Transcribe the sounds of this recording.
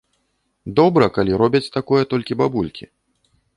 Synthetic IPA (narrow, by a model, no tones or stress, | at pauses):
d̪ɔbɾɐkalʲiɾɔbʲɐt͡sʲt̪akɔjɛt̪ɔlʲkʲibabulʲkʲi